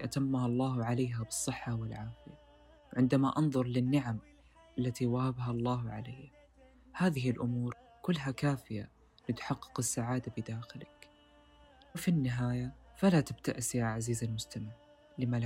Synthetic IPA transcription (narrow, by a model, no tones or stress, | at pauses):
ʔat̪amːahɑlˤːɑːhʕalaːɦabɨsˤːɨħːawɪlʕaːfɪja | wʕɪnd̪amaʔɑnðˤʊɾˤlɪnːɪʕam | ʔalːat̪iwahabɦɑlˤːɑːhʕa̰lajha | haːðɪɦɪlʔʊmuːɾ | kʊlːɦakaːfɪja | lɪt̪ħɑqːɨ̥qɪsːaʕaːd̪abɪd̪aːxɪlɪk | wɪfinːɪɦaːjafalat̪ab̚t̪aʔsjaʕaziːzalmʊst̪amɪʕ | lɪma